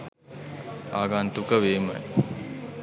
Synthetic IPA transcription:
aːɡant̪ukəʋeːmə̰j

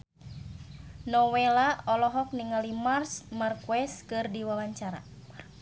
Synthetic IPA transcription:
nɔwɛlaɔlɔɦɔk̚niŋalimarsmarkwɛskɨrdiwawaɲt͡ʃaɾa̰

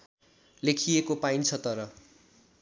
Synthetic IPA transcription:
lekʰijekopaint͡sʰʌt̪ʌɾʌ

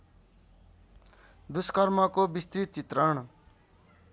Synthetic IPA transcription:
d̪uskʌrmʌkobist̪ɾit͡sit̪rʌɳ̃

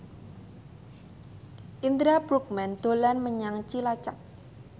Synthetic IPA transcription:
ʔind̪ɾabɾuk̚mɛnd̪̥o̤lanməɲaŋt͡ʃilat͡ʃak̚

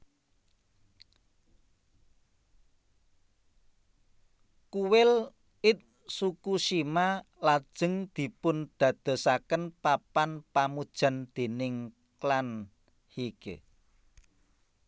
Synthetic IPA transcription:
kuwɪl | ɪt̪̚ | sukuʃima | lad̥ʒ̥ə̤ŋd̪̥i̤pʊnd̪̥ä̤d̪̥ə̤sakənpapanpamud̥ʒ̥a̤nd̪̥e̤nɪŋ | klan | hikḛ

